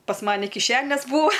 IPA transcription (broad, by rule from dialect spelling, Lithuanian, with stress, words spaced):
pɐs ˈmɑːnʲɪ kʲɪˈʃʲæːnʲeːs ˈbuːɐ